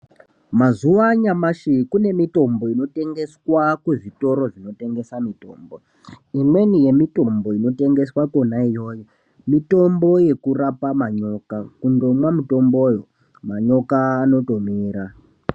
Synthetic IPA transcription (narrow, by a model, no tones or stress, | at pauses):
mazuʋaɲamaʃikune̞mito̞mbo̞ino̞te̞ŋɡe̞swakuʐito̞ɾo̞ʐino̞te̞ŋɡe̞samito̞ːmbo̞ | imwe̞nije̞mito̞mbo̞ino̞te̞ŋɡe̞swako̞naijo̞ːjo | mito̞mbo̞je̞kurapamaɲo̞ːkakundo̞mwamito̞mboːjo̞ | maɲo̞kaːno̞to̞miːɾa